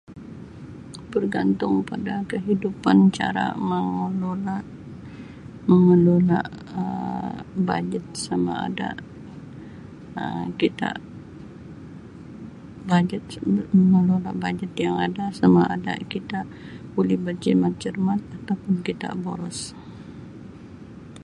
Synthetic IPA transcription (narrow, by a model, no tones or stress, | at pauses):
bərɡant̪ʊŋpadakəɦidupant͡ʃa̰ɾa̰məŋəlolaʔ | məŋəlola̰ʔə | ba̰d͡ʒət̪̚sama̰a̰da̰ | ə̰kit̪a̰ʔ | bad͡ʒət̪̚məŋəlolaʔbad͡ʒət̪jaŋadasamaʔa̰da̰kit̪a | bulɪhbərd͡ʒimat̪̚d͡ʒərmat̪̚at̪awpʊnkit̪a̰ʔbolɔs